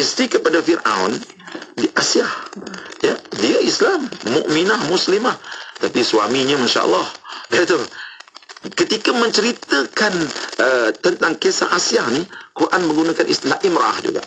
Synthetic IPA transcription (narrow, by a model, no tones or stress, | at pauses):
ʔist̪ɾikəpadafirʔa̰wn | diʔasiahjadiaʔislamːṵʔminahmuslimaht̪apiswamiɲamanʃa̰ʔə̰lːɑhdat̪u | kət̪ikamə̃ɲt͡ʃəɾit̪əkanʔət̪ənt̪aŋkesa̰ʔasiahnikurʔanməŋɡunakanʔḭst̪ilahʔimɾaʔahd͡ʒṵɡa̰ʔ